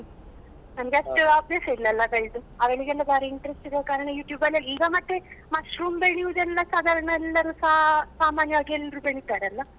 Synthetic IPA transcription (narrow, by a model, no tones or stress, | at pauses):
nɐmɡeɐʂʈuabjɐsɐilːɐlːɐɡɐjd̪uaːʋeɭiɡelːɐbaːɾiiɳʈɐɾesʈid̪ɐkaːɾɐɳɐjuːʈjuːbɐlːɐiːɡamɐt̪ːemɐʂɾuːmbeɭijud̪ɛlːɐsaːd̪ʱaɾɐɳɐɛlːɐɾusasaːmaːnjɐʋɐɡelːɐɾubeɭit̪aːɾeɐlːɐ